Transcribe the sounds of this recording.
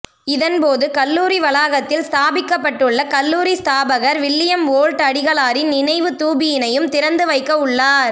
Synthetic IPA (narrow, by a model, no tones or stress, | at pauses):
ɪðɐnpoːðɯkɐlːuːɾiʋɐlaːɣɐt̪ːɪlst̪aːbɪkːɐpːɐʈːɯɭːɐkɐlːuːɾist̪aːbɐɣɐɾʋɪlːɪjɐmoːɻʈɐɽɪɣɐɭaːɾɪnnɪnɐɪʋɯt̪uːbɪjɪnɐjɯmt̪ɪɾɐnd̪ɯʋɐɪkːɐɯɭːaːɾ